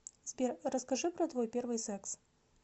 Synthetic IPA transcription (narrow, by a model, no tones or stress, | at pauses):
tʲpʲerrəskɐʐɨpɾɐt̪vojpʲervɨjsɛks